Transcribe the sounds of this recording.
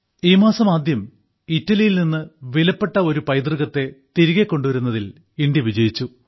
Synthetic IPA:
iːmaːsɐmaːd̪jɐm | itːɐlijilninːɨʋilɐpːe̞ʈːɐo̞ɾupɐjd̪rɨɣɐt̪ːe̞t̪iɾiɣekːo̞ɳɖuʋɐɾunːɐðil | indjɐʋid͡ʑɐjit͡ɕːu

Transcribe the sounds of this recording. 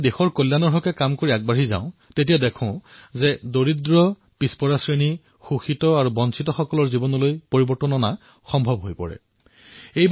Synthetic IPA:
dexɔɹkoljanɔɹɦɔkɛkamkoɹiaɡ̚baɹizã̰ʊ̃tet̬ijadɛkʰɔ̃zɛdoɹidɹɔ | pispɔɹasɹeni | xuxitɔaɹubɔnsʰitɔxɔkɔlɔɹzibɔnɔlojpoɹibɔɹtɔnɔna | xɔmbʱɔbɦojpɔ̰ɹɛ̰ | ej

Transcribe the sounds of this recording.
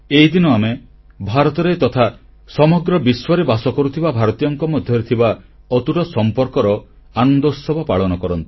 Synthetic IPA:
eɦid̪inɔame | bʱaɾɔt̪ɔɾet̪ɔt̪ʰa | sɔmɔɡɾɔbiswaɾebasɔkɔɾut̪ʰibabʱaɾɔt̪ijɔŋkɔmɔd̪ʱjɔɾet̪ʰiba | ɔt̪uʈɔsɔmpɔɾkɔɾɔ | anɔnd̪ɔsɔbapaɭɔnɔkɔɾɔnt̪i̥

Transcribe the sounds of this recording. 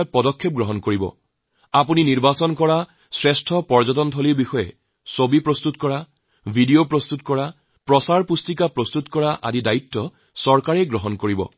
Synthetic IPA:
pɔdɔkʰːep̚ɡɹɔɦɔnkoɹibɔ̰ | apuniniɹbasɔnkɔɹa | sɹestʰɔpɔɹzɔtɔntʰɔliɹbixɔjɛ̰ | sobipɹɔst̪utkɔɹa | bʱidiopɹɔst̪utkɔɹa | pɹɔsaɹpustikapɹɔst̪utkɔɹaʔa̰didaitːɔ | sɔɹkaɹejɡɹɔɦɔnkoɹibɔ̰

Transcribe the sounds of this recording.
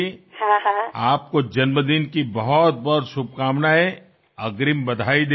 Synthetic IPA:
ehãaːp̚kod͡ʒɐnməd̪inkibɐɦɔt̪̚bɔt̪ʃʊb̚ʱkaːmnae | ɐɡɾimbɐd̪ʱaːid̪

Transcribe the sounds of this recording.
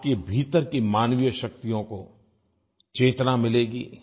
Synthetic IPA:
kebʱiːt̪əɾkimaːnʋijəʃɐk̚t̪ijõko | t͡ʃeːt̪namɪleːɡḭː

